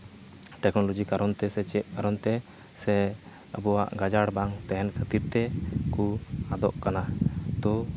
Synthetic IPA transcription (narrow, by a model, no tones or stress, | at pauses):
ʈɛknɔlɔd͡ʒikaɾɔnt̪ɛsɛt͡ʃɛʔ̪̚kaɾɔnt̪ɛ | sɛ | əbɔwa̰ʔɡad͡ʒaɽbaŋt̪ɛɦɛnkʰət̪iɾt̪ɛkuad̪ɔʔkanat̪ɔ